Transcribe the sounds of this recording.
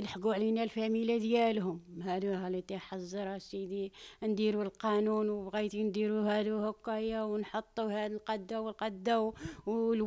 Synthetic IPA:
nəħɡuʕlinælfæmilad̪jælɦʊmhæd̪uælit̪iħɑzˤːɑɾˤɑsid̪ind̪iɾulqɑnunwəbɣijt̪ind̪iɾuhæd̪uhʊkːæjawnħot̪ˤːuhæd̪əlqɑd̪ːawəlqɑd̪ːawl

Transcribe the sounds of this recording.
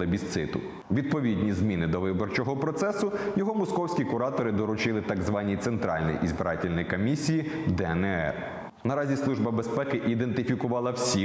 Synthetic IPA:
ebʲist̪sɪt̪ʊ̰ | ʋʲid̪̚pɔʋʲid̪ʲnʲizmʲinɪd̪ɔʋɪbɔrt͡ʃɔɦɔpɾɔt̪sɛsʊjɔɦɔmɔskɔwsʲkʲikʊɾɑt̪ɔɾɪd̪ɔɾʊt͡ʃɪlˠɪt̪ɑɡzʋɑnʲit̪sent̪ɾɑlʲnḭjʔizbɪɾɑtʲilʲnɔjikɔmʲisʲijid̪ɛɛnɛɛ̰r | nɐɾɑzʲislˠuʒbɐbespɛkɪʔid̪ent̪ɪfʲikʊʋɑlˠɐwsʲi

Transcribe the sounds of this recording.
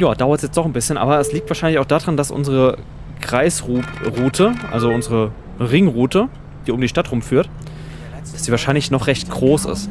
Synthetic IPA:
jaːd̥aʊɐtsjɛt͡std̥ɔχn̩bɪsçənʔa̰ːbɐɛsliːk̚tv̥aːɐʃaɪnɪçaʊxd̥aːdʁandasʔʊ̰nzəʁə | kʁ̥aɪsʁuːʁuːtʰəʔa̰lzoʔʊnzəʁə | ʁɪŋʁuːtʰə | d̥iːʊmdiːʃtatʁ̥ʊmfyːɐt | d̥ḁsd̥iːvaːɐʃaɪnlɪçnɔχʁɛçt̚ɡ̥ʁoːsɪ̰st

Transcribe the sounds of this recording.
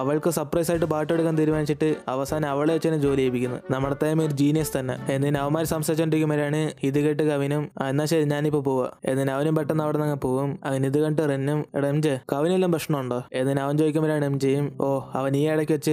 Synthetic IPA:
ɐʋɐɭkɨsɐrprɐjsaːjiʈːɨpaːʈːoɽukːaːnt̪iːɾumaːnit͡ɕːiʈːɨɐʋɐsaːnɐɐʋɐɭeʋet͡ɕːenːɨd͡ʑo̞ːliejpikʲːunːɐ̰ðnɐmːɐɽɐt̪ːaːjɐmoɾud͡ʑiːnijɐst̪ɐnːḛe̞nːinɨɐʋɐmːaːɾisɐmsɐt͡ɕːɐɳɖiɾikʲːumbɐɾaːɳɨiðɨkɐʈ̬ːɨkɐʋinumɐenːaːɕeɲaːnipːopoːɐ̰e̞̰nːinɐʋɐnumpɐʈːɐnːɐʋɐɽenɐŋːɐɭpo̞ːɣumɐ̰ŋɐniðɨkɐɳʈɨrenːumḛɽɐmd͡ʑekɐʋinulːɐmprɐʂɳɐmuɳɖoːe̞nːinɐʋɐnd͡ʑoːjikʲːumbɐɾaːɳemt͡ɕejumoːɐ̰ʋɐniːɐɽɐkʲːiʋɐt͡ɕːɨ

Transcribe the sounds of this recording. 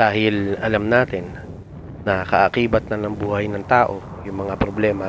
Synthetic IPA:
d̪aːhɪlɐlamnaːt̪ɪnː | ɐkɐʔɐkiːbɐt̪̚nɐnɐŋbuːhɐjnɐŋt̪aːʔo̞ | jʊŋmɐŋapɾoblɛːmɐ

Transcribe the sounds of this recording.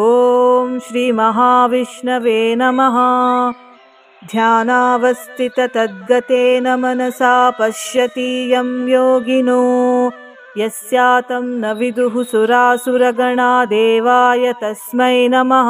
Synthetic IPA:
oːmʃɾiːmɐɦaːʋiʂɳɐʋeːnɐmɐɦɐ | d̪ʱjaːnaːʋɐst̪ʰit̪ɐt̪ɐd̪̚ɡɐt̪eːnɐmɐnɐsaːpɐʃjɐt̪iːjɐmjoːɡinuː | jɐsjaːt̪ɐmnɐʋid̪uɦusuɾaːsuɾɐɡɐɳaːd̪eːʋaːjɐt̪ɐsmɐjnɐmɐɦɐ

